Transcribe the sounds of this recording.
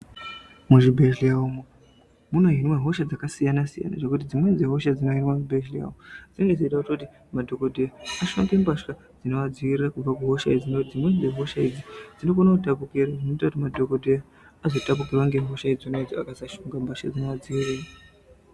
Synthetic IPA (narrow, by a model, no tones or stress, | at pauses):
muʐibʱeʒlijaomo | munoɦinwaɦo̞ʃad͡zakasijanasija̰na̰ʐekut̬id͡zimwe̞nzeɦo̞ʃad͡zino̞ɦinwaŋubʱeʃlija̰d͡zinoŋɡezoitaututi | madʱo̞ko̞dʱejaaʃoŋɡembaʃka | d͡zino̞ʋad͡ziʋirirakub͡vakuɦo̞ʃaid͡zinoktid͡zimwe̞nd͡ze̞ɦo̞ʃaid͡zid͡zinokonotap̬ukiɾaʐinoitakutimadʱo̞kodʱeja | azo̞tap̬ukirwaŋɡeɦo̞ʃaid͡ziunoed͡ziakasaʃoŋɡambaʃkad͡zino̞ʋad͡ziʋiriːra